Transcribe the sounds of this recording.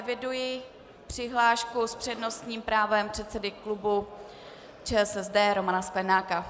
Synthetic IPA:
ɛvɪdujɪ | pr̥ɪɦlaːʃkuspr̝̥ɛdno̞st̪ɲiːmpɾaːvɛmpr̝̥ɛt̪sɛdɪklubu | t͡ʃɛːsɛzdɛːɾo̞manasklɛnaːka

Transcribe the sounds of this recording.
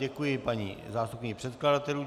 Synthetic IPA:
ɛkujɪpaɲḭːzaːst̪upɲiːpr̝̥ɛt̪kladat̪ɛlu

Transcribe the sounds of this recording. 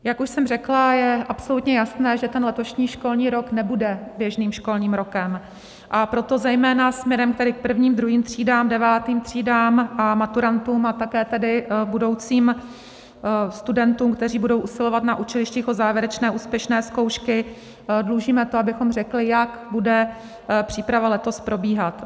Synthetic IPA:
jakuʃsɛmrɛklajɛʔapso̞lut̪ɲɛjasnɛːʒɛt̪ɛnlɛt̪o̞ʃɲiːʃko̞lɲiːɾo̞knɛbudɛbjɛʒniːmʃko̞lɲiːmɾo̞kɛm | ʔapɾo̞t̪o̞zɛjmɛːnasmɲɛɾɛmk̚t̪ɛdɪk̚pr̩vɲiːmd̪ɾuɦiːmt̪r̝̥iːdaːmdɛvaːt̪iːmt̪r̝̥iːdaːmʔamat̪uɾant̪uːmat̪akɛːt̪ɛdɪbudo̞wt͡siːm | st̪udɛnt̪uːmk̚t̪ɛr̝iːbudo̞wʔusɪlo̞vat̪naʔut͡ʃɛlɪʃciːxozaːvjɛɾɛt͡ʃnɛːʔuːspjɛʃnɛːsko̞wʃkɪ | dluːʒiːmɛt̪oabɪxo̞mr̝ɛklɪjakbudɛ | pr̥iːpɾavalɛt̪o̞spɾo̞biːɦat̪

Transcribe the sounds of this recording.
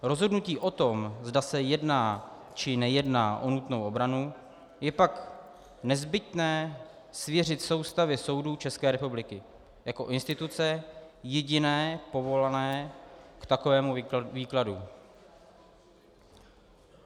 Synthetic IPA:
ɾo̞zɦo̞dnuciːʔo̞t̪o̞mzdasɛjɛdnaː | t͡ʃɪnɛjɛdnaːʔo̞nut̪no̞wʔo̞bɾanu | jɛpak | nɛzbɪt̪nɛː | svjɛr̝ɪt̪so̞wst̪avɪso̞wduːt͡ʃɛskɛːɾɛpublɪkɪ | jako̞ʔɪnst̪ɪt̪ut͡sɛjɛɟɪnɛːpo̞vo̞lanɛːkt̪ako̞vɛːmuviːkladu

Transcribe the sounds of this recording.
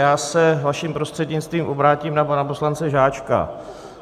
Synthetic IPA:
jaːsɛvaʃiːmpɾo̞st̪r̥ɛd̪ɲɪt͡st̪viːmʔo̞bɾaːciːmnapanap̬o̞slant͡sɛʒaːt͡ʃka̰

